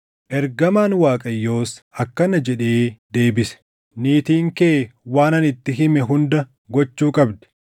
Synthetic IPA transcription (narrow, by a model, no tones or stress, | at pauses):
ʔɛɾɡɐmaːnwaːkʼɐjːo̞ːsɐkːɐnɐd͡ʒɛᶑe̞ːd̪e̞ːbɪsɛ̥ | niːt̪iːŋkeːwaːnɐnɪt̪ːɪɦɪmɛɦʊnd̪ɐ | ɡɔt͡ʃːuːkʼɐbd̪ɛ̥